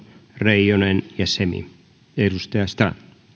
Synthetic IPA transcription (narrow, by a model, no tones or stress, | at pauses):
rejonenjɑsemḭ | eɾust̪eɑst̪ɑ̰